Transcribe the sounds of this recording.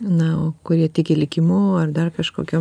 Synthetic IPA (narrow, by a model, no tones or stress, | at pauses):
nɐoːkʊɾʲiɛt̪ʲɪkʲɪlʲɪkʲɪmuːɐrd̪ɐrkɐʃkoːkʲuː